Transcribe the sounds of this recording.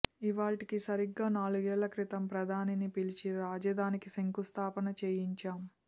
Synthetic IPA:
iʋaːʈikisɐɾiɡːaːnaːɭuɡɛːɭːɐkɾit̪ɐmpɾɐd̪ʱaːninipilit͡ʃiɾaːd͡ʒɐd̪ʱaːnikisɐŋkust̪ʰaːpɐnɐt͡ʃeːjiɲt͡ʃaːm

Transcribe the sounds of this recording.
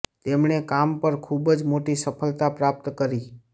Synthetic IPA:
t̪emɳekampəɾkʰubəd͡ʒmoʈisəpʰəlt̪apɾap̚t̪kəɾi

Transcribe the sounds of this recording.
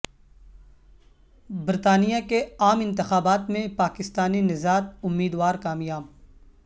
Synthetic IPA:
bɪɾt̪aːnijakeaːmɪ̃nt̪ɪxaːbaːt̪mẽpaːkɪst̪aːninɪzaːt̪̚ʊmːiːd̪waːɾkaːmjaːb

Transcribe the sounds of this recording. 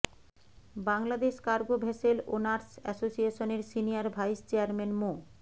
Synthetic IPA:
baŋlad̪eʃkaɾɡobʱeʃelo̰naɾsɛ̰sosieʃoneɾsinijaɾbʱajst͡ɕeaɾmenmo

